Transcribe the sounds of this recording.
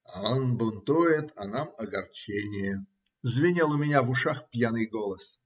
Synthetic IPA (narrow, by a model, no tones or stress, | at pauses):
aonbʊnt̪ujɪt̪ʰɐnamɐɡɐrt͡ɕenʲɪjə | zvʲɪnʲelˠʊmʲɪnʲavʊʂaxpʲjanɨjɡolˠəs